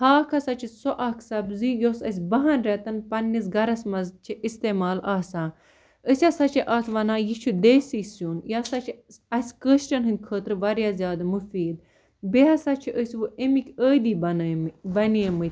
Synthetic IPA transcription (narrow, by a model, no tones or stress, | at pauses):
haːkʰɐsɐt͡ʃʰisoʔɐkʰsɐbzijoːsɐs̬ʲbɐɦɐnɾɛt̪ɐnpɐnːis̬ɡɐɾɐsmɐzt͡ʃʰiʔist̪eːmaːlʔaːsãː | əsʲasɐt͡ʃʰiʔɐːt̪ʰʋɐnãːjit͡ʃʰud̪esisjunjaːsɐt͡ʃʰi | ɐsʲkəːʃʈɐnɦɨnd̪̚ʲkʰəːt̪ɾɨʋɐɾjaːzʲjaːd̪ɐmufiːd̪̚ | beɦɐsat͡ʃʰiʔəsʲʋɨʔemikʲəːd̪iːbɐnbɐniemɨt̪